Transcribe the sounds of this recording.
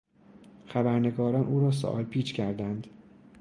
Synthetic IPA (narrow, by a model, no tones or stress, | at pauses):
xæbæɾne̞ɡɒːɾɒːnʔuːɾɒːs̬o̰ʔɒ̰ːlpʰiːt͡ʃcʰæɾd̪ænd̪